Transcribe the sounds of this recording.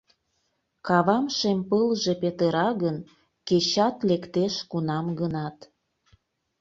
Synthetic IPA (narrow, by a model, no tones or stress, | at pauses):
kɑβɑmʃempəlʒepet̪əɾɑɣən | ket͡ɕɑt̪lekt̪eʃkunɑmɡənɑt̪